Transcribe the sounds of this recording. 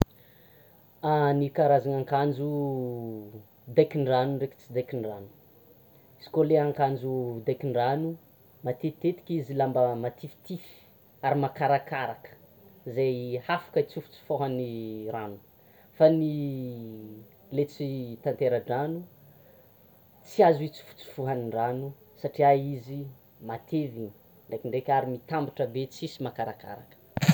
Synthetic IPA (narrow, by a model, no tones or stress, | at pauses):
anikaɾazaŋaŋkand͡ʒu | d̪ajkiɳɖ͡ʐanunreki̥t͡sid̪ajkiɳɖ͡ʐanu̥ | isi̥koleaŋkand͡ʒud̪ajkiɳɖ͡ʐanu | mat̪et̪et̪i̥kʲizilambəmat̪ʰifi̥t̪ifi̥ | aɾimakaɾakaɾakə̥ | izajhafḁkəit͡sufu̥t͡si̥foɦaniɾanu̥ | fani | let͡sit̪ant̪eɾaɖ͡ʐanu | t͡siazit͡su̥fu̥t͡su̥foɦaniɳɖ͡ʐanu | saʈ͡ʂiaizi | mat̪ʰeviɲi | ɳɖ͡ʐekiɳɖ͡ʐekʲaɾimit̪ambiʈ͡ʂəbet͡sisimakaɾaka̰ɾa̰kə̥